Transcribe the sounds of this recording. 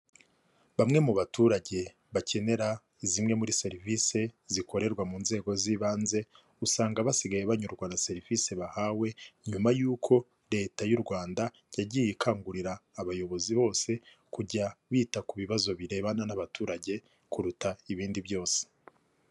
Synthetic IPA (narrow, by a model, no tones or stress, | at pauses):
βamŋe̞muβatuɾaɟe̞ | βacʰe̞ne̞ɾa | izimŋe̞muɾise̞ɾivise̞ziko̞ɾe̞ɾɡwamuːnze̞ːɡo̞ziβaːnze̞ | usaːŋɡaβasiɡajeβaɲuɾɡwanase̞ɾivise̞βahawe̞ɲumajuːkʰo̞ | ɾe̞ːtajuɾɡwaːnda | jaɟiːjikʰaːŋɡuɾiɾaːβajo̞βo̞ziβo̞ːse̞ | kuɟaβiːtakuβiβazo̞βiɾe̞ːβananaβatuːɾaɟe̞ | kuɾutaiβiːndiβjo̞ːse̥